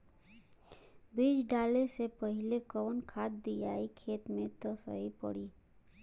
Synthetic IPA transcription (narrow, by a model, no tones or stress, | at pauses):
biːd͡ʒɖaːlesepəɦɪlekɔːnkʰaːt̪̚d̪ijaːikʰeːt̪mẽt̪osə̰ɦipə̰ɽiː